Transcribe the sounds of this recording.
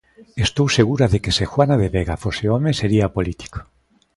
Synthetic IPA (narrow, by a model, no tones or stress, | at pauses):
est̪owseɣ̞uɾaðekesexwanaðeβeɣafoseomeseɾiapolit̪i̥ko̥